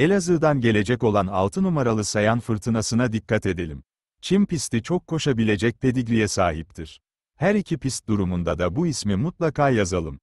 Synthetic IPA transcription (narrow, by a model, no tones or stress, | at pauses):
elʲazɯd̪anɟe̞lʲe̞d͡ʒɛco̞lˠana̰lˠt̪ʰɯnumaɾalˠɯsajanfɯɾt̪ʰɯnasɯnad̪ikʰːat̪e̞d̪e̞lʲim | t͡ʃʰimpist̪ʰit͡ʃʰokʰːo̞ʃabilʲe̞d͡ʒɛc̚pʰe̞d̪ic̬lijɛsaːɦip̚t̪ʰiɾ̥ | hæɾicʰipist̪̚d̪uɾumund̪ad̪abuismimut̪lˠakʰaːjazalˠɯm